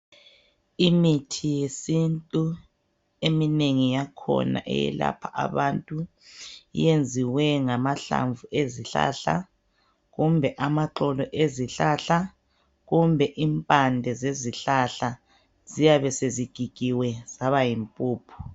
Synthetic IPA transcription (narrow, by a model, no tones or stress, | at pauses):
imitʰijesintʼu | emineŋijakʰɔ̰na̰ʔɛ̰jɛ̰la̰pʰaʔa̰βantʼu | ḭjend͡zʱiwɛŋamaɬa̰ɱvuʔeziɬa̰ɬa | ɣumbʱɛʔamaǃɔlɔʔeziɬaɬa | ɣumbʱɛʔimpʼandʱɛzeziɬaɬa | z̥ijaβɛseziɡ̥ʱiɡ̥ʱiwɛz̥aβajimpʼuːpʰu̥